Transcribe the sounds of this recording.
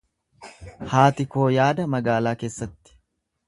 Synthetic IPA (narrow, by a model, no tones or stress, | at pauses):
haːt̪ɪko̞ːjaːd̪ɐmɐɡaːlaːke̞ːsːɐt̪ːɪ̥